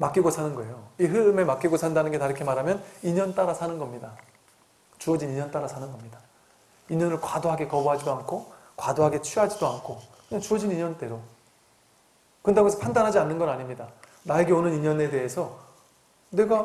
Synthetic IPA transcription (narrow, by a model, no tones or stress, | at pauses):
mak͈iɡosʰanɯnɡʌe̞joiɦɯɾɯme̞mak͈iɡosʰandanɯnɡe̞taɾɯkʰemaɾɦamjʌniɲʌnt͈aɾasʰanɯnɡʌmɲida | t͡ɕuʌd͡ʑiniɲʌnt͈aɾasʰanɯnɡʌmɲida | iɲʌnɯɭkwadoɦaɡe̞kʌbuɦad͡ʑidoankʰo | kwadoɦaɡe̞t͡ɕʰiɦad͡ʑidoankʰokɯɲaŋt͡ɕuʌd͡ʑiniɲʌnt͈e̞ɾo | kɯndeesʰʌpʰandanɦad͡ʑianːɯnɡʌnaɲimɲida | nae̞ɡe̞onɯniɲʌne̞de̞esʰʌ | ne̞ɡa